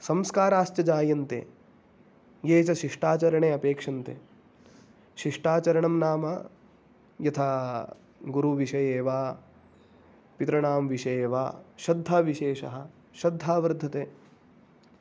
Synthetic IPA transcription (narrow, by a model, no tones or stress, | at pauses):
sɐmskaːɾaːʃt͡ʃjɐd͡ʒaːjɐnt̪ḛː | jeːt͡ʃɐʃiʂʈaːt͡ʃɐɾɐɳeːɐpeːkʂɐnt̪ḛː | ʃiʂʈaːt͡ʃɐɾɐɳɐmnaːmɐ | jɐt̪ʰa | ɡuɾuʋiʃɐjeːʋaː | pit̪ɾɐɳaːmʋiʃɐjeːʋa̰ːʃɐd̪ʱːaːʋiʃeːʃɐ̰ɦɐ̆ | ʃɐd̪ʱːaːʋɐɾd̪ʱːɐt̪eː